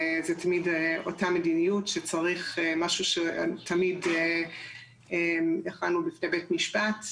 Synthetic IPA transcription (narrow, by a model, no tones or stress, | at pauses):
zetʰamidotamedinijutʃet͡saʁiχemaʃuʃetʰːamide | emeχanubifnebetmiʃpat